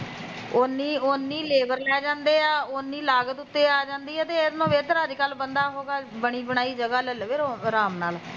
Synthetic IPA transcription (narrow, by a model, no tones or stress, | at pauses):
ʊnːiːonːiːleːbəɾlɛːd͡ʒãːnd̪eːaːʊnːiːlaːɡət̪ʊt̪ːeːaːd͡ʒãːnd̪iːɦɛːt̪eːɪsnõːʋeːt̪əɾɦəd͡ʒkəlbənd̪aːɦoːɡaːbəɽ̃iːbəɽ̃aːiːd͡ʒəɡaːləlʋeɾoɾaːmnaːl